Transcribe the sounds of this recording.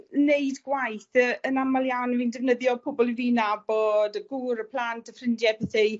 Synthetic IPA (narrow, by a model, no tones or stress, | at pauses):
neɨdɡwajθəənamalˠjawnviːndɛvnəðjɔpʰʊbɔlˠiviːnabodəɡuːɾəpʰl̥antəfrɪndjɛbɛθe